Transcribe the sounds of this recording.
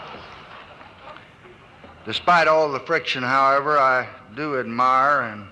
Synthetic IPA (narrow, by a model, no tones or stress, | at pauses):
d̥ɨspaɪɾɔlˠðəfɹɪkʃɨ̃nɦaʊɛvə˞aɪdɨɨd̚maɪə˞ɨ̃n